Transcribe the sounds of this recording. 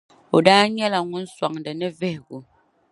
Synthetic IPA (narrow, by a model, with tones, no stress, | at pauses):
o˨daː˦ɲɛ˦la˨ŋʊ˦n̩˦sa˨ŋdɨ˨nɨ˦vɪ˦hɪ˨ɡʊ˨